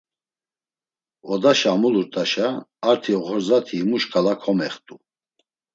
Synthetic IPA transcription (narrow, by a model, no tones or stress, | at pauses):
ɔd̪aʃamuluɾt̪ʼaʃaːɾt̪ʰiɔʁɔɾzat̪ʰiːmuʃkʰʼalakʰɔmɛχt̪ʼu